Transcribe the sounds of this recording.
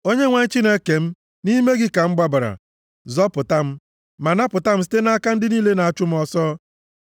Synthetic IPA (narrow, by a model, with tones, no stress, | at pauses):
o˦ɲe˦ŋʷa˨ɲ̩˦t͡ʃi˦ne˦ke˨m̩˦ | ni˦me˦ɡɪ˦ka˨ŋ͡m̩˦ɡ͡ba˦ba˨ɾa̰˨ | zɔ˦pʊ˨ta˦m̩˦ | ma˨na˦pʊ˨ta˦m̩˦s̬i̥˦te˦na˦a˦ka˦n̩˦dɪ˦niː˦le˦na˨a˨t͡ʃʊ˦m̩˦ɔ˦sɔ˦